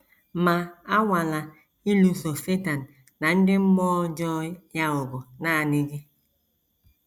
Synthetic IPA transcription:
ma˨a˦ŋʷa˨la˨ | i˦lu˨so˨se˦ta˨n̩˨ | na˨n̩˦dɪ˦m̩˦mɔː˦d͡ʒɔ˦ja˦ʊ˨ɡʊ˨na˦a˨ne˦ɡe˦

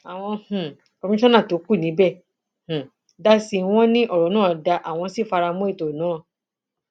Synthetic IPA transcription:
a˨w̃ɔ̃˧h̩˨ | o˧mĩ˦ɔ̃˦nã˦˨to˨˦ku˦˨nĩ˨˦bɛ˦˨ | h̩˨ | da˦si˧w̃ɔ̃˦nĩ˦ʔɔ˦˨ɾɔ˨˦nãː˦˨da˧ʔa˨w̃ɔ̃˧si˦˨fa˧ɾa˧mũ˦i˦˨to˨nãː˨˦˨

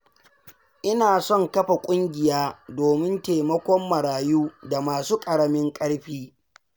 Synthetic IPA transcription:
ʔɪ˦naː˨sɔ˦˨ŋkɐ˦ɸa˨kʷʼʊ˦ŋɡʲɪ˨jaː˦doː˨mɪ˦nteː˨mɐ˦kʷɔ˦mːɐ˨ɾaː˨juː˦da˨maː˨suː˦kʼɐ˨ɽɐ˦mɪ˦ŋkʼɐ˦ɽɸiː˦

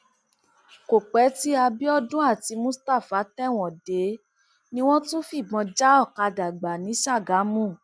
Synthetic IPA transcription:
ko˨k͡pɛ˨˦ti˦a˧bi˦ɔ˦dũ˦a˦˨ti˨˧˦mũ˦sta˦˨fa˨˦tɛ˦w̃ɔ̃˨de˨˦ | nĩ˦w̃ɔ̃˦tũ˦fi˦˨ɡ͡bɔ̃˧d͡ʒa˦ɔ˦˨ka˧da˨ɡ͡ba˨nĩ˨˦ʃa˦˨ɡa˨˦mũ˦˨

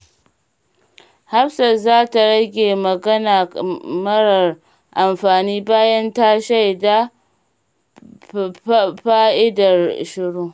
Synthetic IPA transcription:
ha˦ɸsɐ˨zaː˦ta˨ɽɐ˦ɡʲeː˨mɐ˨ɡɐ˦naː˨mɐ˦ɽɐ˨r | ʔa˨mɸaː˨niː˦baː˦jɐ˦nta˦ʃa˦˨jda˦ | ɸaː˦ʔɪ˦dɐ˨rʃɪ˦ɽuː˦

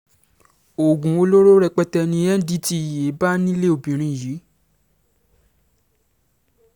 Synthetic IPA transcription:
o˨ɡũ˨˦o˧lo˦ɾo˦ɾɛ˧k͡pɛ˦tɛ˧nĩ˧˦ɛ˦n̩˦di˦ti˦˨je˨˦ba˦nĩ˦le˦o˨bĩ˨ɾ̃ĩ˧˨ji˨˦

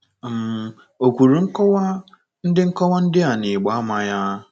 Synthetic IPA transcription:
m̩˦ | o˨kʷu˨ɾu˨ŋ̩˦kɔ˦wa˦ | n̩˦dɪ˦ŋ̩˦kɔ˦wa˦n̩˦dɪ˦a˨nɪ˨ɡ͡ba˦a˦ma˨ja˦

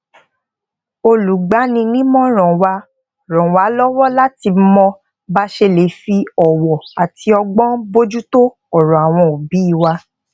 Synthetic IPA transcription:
o˧lu˨ɡ͡ba˨˦nĩ˧nĩ˦mɔ̃˦ɾ̃ɔ̃˨wa˧ | ɾ̃ɔ̃˨wa˨˦lɔ˦wɔ˦la˦ti˧˦mɔ̃˧ | ba˦ʃe˧le˨˦fi˧ɔ˨wɔ˨a˨ti˧ɔ˧ɡ͡bɔ̃˦bo˦d͡ʒu˦to˦ | ɔ˨ɾɔ̃˨a˨w̃ɔ̃˧o˨bi˨˦i˦˨wa˧

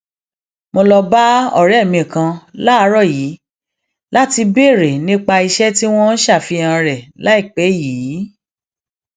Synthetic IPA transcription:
mo˧lɔ˧ba˦ɔ̰˦˨ɾɛ˨˦˨mĩ˧˨kã˧la˦˧˦ɾɔ˦˨ji˨˦ | la˦ti˧be˦˨ɾe˨nĩ˦k͡pa˧i˧ʃɛ˦ti˦w̃ɔ̃˦n̩˦ʃa˦˨fi˧ã˧ɾɛ˨la˨˦i˦˨k͡pɛ˨˦jiː˨˦

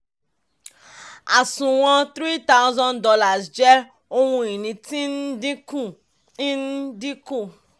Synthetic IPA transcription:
a˨sũ˨w̃ɔ̃˧t̪ɾi˦ta˦ʊ˦zɔ̃˦ndɔ˧la˨sd͡ʒɛ˦ | o˦hũ˧i˨nĩ˧tĩ˦n̩˦di˦kũ˦˨ | ĩ˦n̩˦di˦kũ˦˨

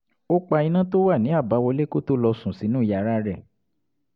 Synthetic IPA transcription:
o˦k͡pa˧i˧nã˦to˦wa˦˨nĩ˨˦a˦˨ba˨˦wɔ˧le˦ko˦to˦lɔ˧sũ˨si˨˦nũ˦i˦˨ja˧˨ɾa˦ɾɛ˦˨

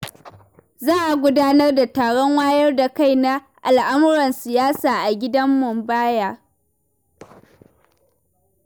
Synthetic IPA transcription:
zaː˦ʔa˨ɡʷʊ˦daː˦nɐ˦rda˨taː˨ɽɔ˦ŋwaː˦jɐ˦rda˨ka˦˨jna˦ | ʔa˨lʔa˦mʊ˦ɽɐ˨nsɪ˨jaː˦saː˨ʔa˨ɡʲɪ˦dɐ˦mːʊ˨mbaː˦jaː˦

